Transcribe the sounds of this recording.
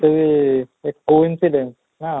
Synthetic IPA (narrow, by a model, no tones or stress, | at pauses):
t̪əʋiekːoinsiɖens | na